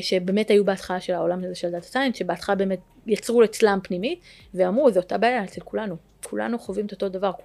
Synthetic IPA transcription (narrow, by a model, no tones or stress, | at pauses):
ʃe̞be̞me̞thajubeatχalaʃe̞lao̞lamazeʃeldat̪ḁtajnʃebeatχalabeːme̞t̚ | jat͡sʁulet͡slampnimit | veamʁuzeotabaːjaet͡selkulanu | kʰula̰nuχovimet̪otodavaʁ